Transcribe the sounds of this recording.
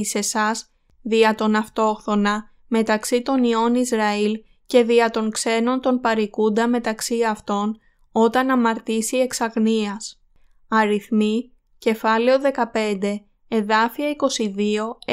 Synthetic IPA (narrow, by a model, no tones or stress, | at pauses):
ise̞sɐz | ðiɐt̪o̞nɐft̪o̞xθo̞nɐ | me̞t̪ɐksit̪o̞nio̞nizɾɐil | ce̞ðiɐt̪o̞ŋkse̞no̞nt̪o̞npɐɾikund̪ɐme̞t̪ɐksiɐft̪o̞n | o̞t̪ɐnɐmɐɾt̪isie̞ksɐɣniɐs | ɐɾiθmi | ce̞fɐle̞o̞ðe̞kɐpe̞nd̪e̞ | eðɐfiɐiko̞siðio̞